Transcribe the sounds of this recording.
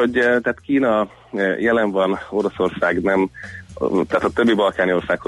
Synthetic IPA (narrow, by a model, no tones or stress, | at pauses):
oɟt̪ːt̪kiːnɒ | jɛlɛɱvɒno̞ɾoso̞rsaːɡnɛm | t̪aːt̪ɒt̪øbːibɒlkaːnio̞rsaːkho